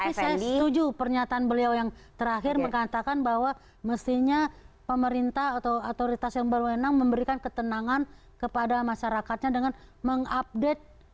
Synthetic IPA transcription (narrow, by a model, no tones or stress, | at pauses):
aisajasət̪ud͡ʒupərɲat̪aʔːnbəliawjaŋt̪əɾaɦɪrməŋat̪akanbaɦwa | məst̪iɲa | pəməɾint̪aɦat̪awat̪oɾit̪asjaŋbərwənaŋməmbəɾikankət̪ənaŋan | kəpadamaʃaɾakat̪̚ɲadəŋanməŋap̚det̪̚